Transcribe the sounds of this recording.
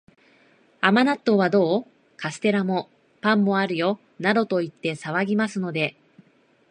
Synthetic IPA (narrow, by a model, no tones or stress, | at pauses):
amanat̪ːo̞β̞ad̪o̞ː | kasɨ̥t̪e̞ɾamo̞ | pãmːo̞aɾɯ̟jo̞ | naɾo̞t̪o̞it̪ːe̞saβaɡʲimasɨno̞d̪e̞